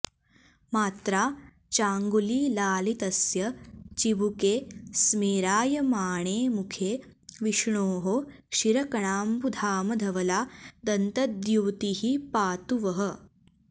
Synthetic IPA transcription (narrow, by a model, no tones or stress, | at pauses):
maːt̪ɾaː | t͡ʃaːŋɡuliːlaːlit̪ɐsjɐt͡ʃiʋukeːsmiːɾaːjɐmaːɳ̃eːmukʰeː | ʋiʃɳoːɦo | ʃiɾɐkɐɳaːmpud̪ʱaːmɐd̪ʱɐʋɐlaːd̪ɐnt̪ɐd̪juwt̪iɦipaːt̪uʋɐɦɐ̆